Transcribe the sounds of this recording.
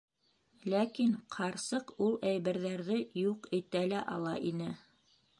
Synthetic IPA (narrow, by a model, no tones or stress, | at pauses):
lækiɴqʰɑɾsɤqulˠæjβæɾðæɾðɘjuqit̪ælæʔɑlˠɑʔinɘ